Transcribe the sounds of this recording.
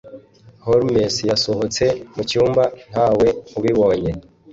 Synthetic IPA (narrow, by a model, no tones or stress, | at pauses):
hoɾmesjasoɦot͡se̞mucuːmban̥haːwe̞uβiβo̞ːɲe